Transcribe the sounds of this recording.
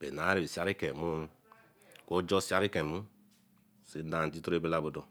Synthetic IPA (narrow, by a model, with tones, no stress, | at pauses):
be˨na˨˦ɾi˦˨bi˨si˨˦a˦ɾi˦ke˨mu˦ | ko˦d͡ʒo˦si˦a˦ɾi˦kẽ˨mu˦ | si˨˦da˨n˨ti˦to˦ɾe˦be˦la˦bo˨do˨